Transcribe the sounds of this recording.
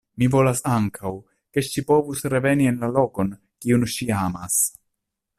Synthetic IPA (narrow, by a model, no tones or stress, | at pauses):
mivo̞lasaŋkʰaw | ke̞ʃipo̞vusɾe̞ve̞nie̞nlalo̞ko̞n | kiunʃiamas